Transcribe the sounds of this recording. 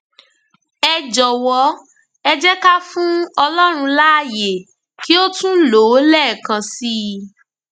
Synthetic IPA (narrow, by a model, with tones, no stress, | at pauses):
ɛ˧d͡ʒɔ˨wɔ˧˦ | ɛ˧d͡ʒɛ˦ka˦fũ˦ɔ˧lɔ˦ɾ̃ũ˧la˦˨je˨ | ki˦o˦tũ˦lo˨˦lɛ˦˨kã˧si˦